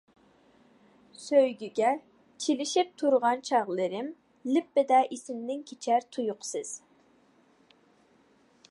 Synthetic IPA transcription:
søjɡʲyɡʲɛ | t͡ʃʰelɪʃip̚t̪ʰuɾʁɑnt͡ʃʰɑʁlˠɨɾɪm | lɪpːɪd̪ɛʔisɪmnɪŋkʲʰet͡ʃʰɛɾt̪ʰujʊqʰsɨz̥

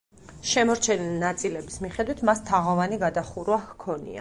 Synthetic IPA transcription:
ʃɛmɔɾt͡ʃʰɛnilinat̪sʼilɛbismiχɛd̪wit̪ʰmast̪ʰaʁɔvaniɡad̪aχuɾwahkʰɔnḭa̰

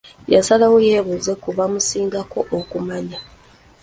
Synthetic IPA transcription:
jasalawojeːβuze̞kuβamusiːŋɡakʰo̞ʔokumaɲa

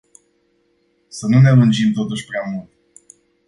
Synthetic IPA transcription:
sənunelund͡ʒimt̪o̞t̪uʃʲpɾamult̪

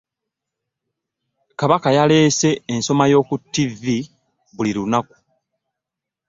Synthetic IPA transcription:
kaβakajale̞ːse̞ːnso̞majo̞ːkutːivi | βuliɾunaku̥

